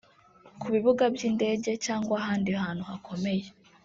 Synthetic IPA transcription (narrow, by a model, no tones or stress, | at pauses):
kuβiβuɡabjiːnde̞ːɟe̞caːŋɡwaɦaːndiɦaːnhuhakʰo̞me̞je